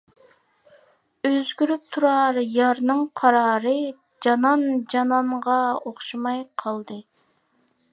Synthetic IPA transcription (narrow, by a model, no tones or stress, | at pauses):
øzɡʲyɾyp̚t̪ʰuɾɑɾjɑɾnɨŋqʰɑɾɑːɾɨ | d͡ʒɑnɑnd͡ʒɑnɑɴʁɑoχʃɑmɑjqʰɑlˠd̪ɨ